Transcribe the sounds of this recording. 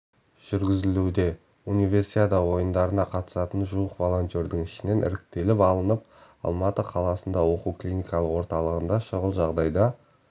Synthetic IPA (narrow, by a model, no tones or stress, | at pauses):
ʒ̥ʏɾɡʲɪzɪlud̪e̞ | unijvʲe̞ɾsiad̪ɑwo̞jənd̪ɑɾənɑqʰɑt̪ə̥sɑt̪ənʒuəqvolˠo̞nʲt̪ʲjo̞ɾd̪ɪŋɪʃɪne̞nʔɪ̰ɾɪk̚t̪e̞lɪpɑlˠənəp̚ | ɑ̰lˠmɑt̪əqʰɑlˠɑsənd̪ɑwo̞quwklʲinʲijkɑlˠəqwoɾt̪ɑlˠəʁənd̪ɑʃəʁəlˠʒɑʁd̪ɑjd̪ɑ